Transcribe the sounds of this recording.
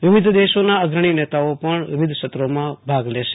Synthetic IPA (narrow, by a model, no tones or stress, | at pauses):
ʋɪʋɪd̪ʱd̪eʃonaəɡɾəɳ̃inɛt̪aopəɳʋɪ̰ʋɪd̪ʱʃət̪ɾomãbʱaɡleʃe̥